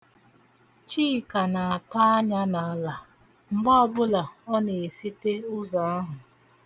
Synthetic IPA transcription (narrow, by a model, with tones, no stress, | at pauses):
t͡ʃiː˦˨ka˨na˨a˨tɔ˦a˦ɲa˦na˨a˨la˨ | ŋ͡m̩˨ɡ͡ba˦ɔ˨bʊ˦la˨ɔ˦ne˨e˨si˦te˦ʊ˦za˨a˦ɦʊ˨